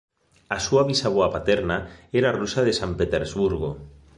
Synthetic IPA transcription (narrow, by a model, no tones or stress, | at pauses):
asuaβisaβoapat̪eɾnaeɾarusað̞esampet̪eɾzβuɾɣ̞o